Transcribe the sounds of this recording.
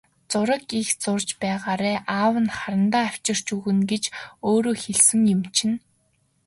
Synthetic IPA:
t͡sʊɾə̆kixt͡sʊrt͡ɕpæːʁaːɾæːʔaːwə̆nχaɾə̆nt̪aːaw̥t͡ɕɪ̆r̥t͡ɕuɣɘ̆nɡet͡ɕoːɾoːxeɮsɘ̆ŋjɵ̆mt͡ɕʰɪ̆n

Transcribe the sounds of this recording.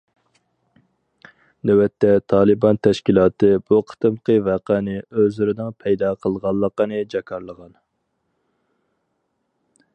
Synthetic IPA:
d̪ɛwɛt̪ːɛt̪ʰɑːlˠɨbɑnt̪ʰɛʃkʲilˠɑːt̪ɨb̥uqʰə̥t̪ɨmqəvæqænɪøzlɪɾɪnɨŋpʰɛjd̪ɑːqʰəlˠʁɑlˠːəqənɨd͡ʒɑkʰɑɾlˠəʁɑn

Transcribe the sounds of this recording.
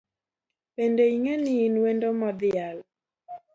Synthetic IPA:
pɛndeiŋɛniːnwɛndomɔðɪal

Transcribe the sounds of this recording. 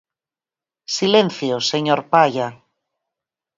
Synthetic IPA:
silẽn̟θjoseɲoɾpaʎa

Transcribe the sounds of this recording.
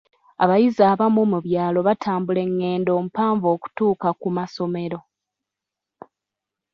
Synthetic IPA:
aβajizaːβamomuβjaːlo̞βatʰaːmbule̞ŋːe̞ːndo̞ːmupaːɱvo̞ːku̥tuːkakumaso̞me̞ɾo̞

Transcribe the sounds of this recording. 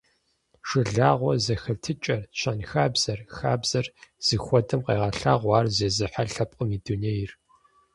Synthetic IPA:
ʂɨɮaːʁʷɔzɐxɐtʰɨt͡ʃʼɐrɕʰɐnxaːbz̥ɐrxaːbz̥ɐrz̥ɨxʷɔdʼɐmqḛːʁɐɬaːʁʷɑːrzeːzɨħaɬɐpʼəmiːduneːjr

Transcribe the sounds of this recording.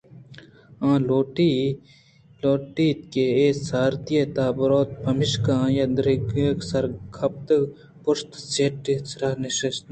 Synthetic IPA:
ãːloːʈi | loːʈiːt̪̚keeːsaːɾt̪ijet̪aːbɐɾoːt̪̚pɐmɪʃkãːjɐd̪ɾiɡeːksɐɾɡʰɐp̚t̪ɐ | pʊʂt̪seːʈːit͡sɾanɪʃɐst̪

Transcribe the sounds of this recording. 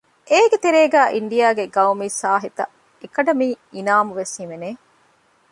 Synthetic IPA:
ʔeːɡet̪eɾeːɡæːʔiɳɖijaːɡeɡɐwmiːsaːɦit̪ɐ̰ | ekɐɖɐmiː | inaːmuʋesimeneː

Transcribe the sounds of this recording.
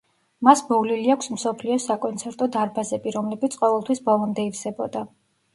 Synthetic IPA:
masbɔvliliakʷʰsm̩sɔpʰliɔsakʼɔnt̪sʰɛɾt̪ʼɔd̪aɾbazɛbiɾɔmlɛbit̪sʰqʼɔvɛlˠt̪ʰwisbɔlˠɔmd̪ɛiɾsɛbɔd̪a

